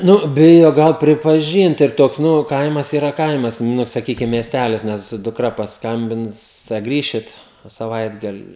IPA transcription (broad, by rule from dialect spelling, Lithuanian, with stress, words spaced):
ˈnʊ ˈbʲɪjoː ˈɡɐlˠ pʲrʲɪpɐˈʒʲiːnt ɪr ˈtoːks ˈnʊ ˈkɐɪmɐs ɪˈrɐ ˈkɐɪmɐs ˈnʊ sɐˈkʲiːkʲɪm mʲiɛsʲˈtʲælʲɪs ˈnʲɛs dʊkˈrɐ pɐsˈkɐmʲbʲɪns tɐɪ ɐ ˈɡrʲiːʃʲɪt sɐˈʋɐɪdɡɐlʲɪ